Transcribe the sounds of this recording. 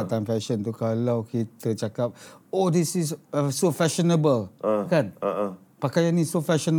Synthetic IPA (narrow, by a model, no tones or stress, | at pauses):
at̪aŋfɛʃənt̪ukalawkit̪ət͡ʃakap̚odisisəsofɛʃənəbəlkan | pakajanːĩsofɛʃən